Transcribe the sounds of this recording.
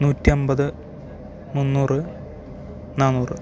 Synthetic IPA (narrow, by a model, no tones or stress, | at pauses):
nuːtːiombɐðɨ | munːuːrɨ | naːnuːrɨ̰